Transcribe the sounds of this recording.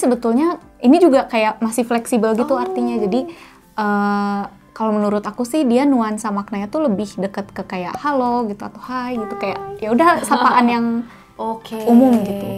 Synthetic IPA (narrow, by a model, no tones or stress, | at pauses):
səbət̪ʊlɲa | inid͡ʒuɡakajaʔmasɪhflɛksibəlɡit̪uart̪iɲad͡ʒadi | ʔə | kalowmənuɾʊt̪akusɪhdianuansamak̚naɲat̪uləbɪhdəkət̪̚kəkaja̰ʔhaloɡit̪ua̰t̪uhajɡit̪ukajaʔjaudahsapaʔanjaŋ | okeumʊmɡit̪u